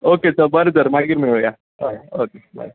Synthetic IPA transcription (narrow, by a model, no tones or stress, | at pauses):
oket͡səbəɾod͡zəɾmaɡiɾmiɭja | ookeba̰ɾ